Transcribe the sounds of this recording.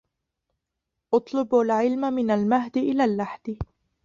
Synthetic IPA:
ʔɑt̪ˤlɨbalʕɪlmamɪnalmaɦd̪ɪʔɪlaːlːaħd̪ɪ

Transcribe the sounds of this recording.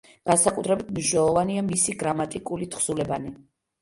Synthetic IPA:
ɡ̥ansakʼut̪ʰɾɛbit̪ʰmniʃnɛlˠɔvaniamisiɡɾamat̪ʼikʼulit̪ʰχsulɛbani

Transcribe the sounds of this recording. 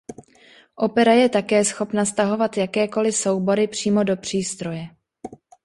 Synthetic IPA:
ʔo̞pɛɾajɛt̪akɛːsxo̞pnast̪aɦo̞vat̪jakɛːko̞lɪso̞wbo̞ɾɪpr̝̥iːmo̞do̞pr̝̥iːst̪ɾo̞jɛ

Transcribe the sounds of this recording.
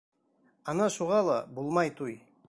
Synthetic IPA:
ɑnɑʃuʁɑlˠɑbulˠmɑjt̪ʰuj

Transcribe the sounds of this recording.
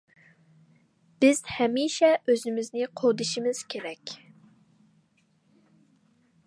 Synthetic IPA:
b̥ɪz̥hɛmiːʃɛʔøzɪmɪznɪqʰod̪ɨʃimɪz̥kʲʰeɾɛkʲ

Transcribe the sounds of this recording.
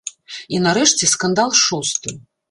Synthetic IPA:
inaɾɛʂt͡sʲɛskand̪alˠʂust̪ɨ

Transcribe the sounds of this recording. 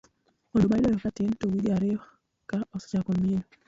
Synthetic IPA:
odomaɪlɔjɔkatɪntowiɾiaɾɪɔ | kaɔsɔ̥t͡ʃakomieno

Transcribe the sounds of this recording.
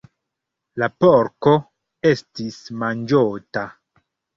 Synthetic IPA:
lapoɾko | e̞stismand͡ʒota

